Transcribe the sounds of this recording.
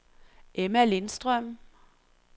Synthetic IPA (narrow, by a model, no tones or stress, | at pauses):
ʔemælɪnsd̥̪ʁœm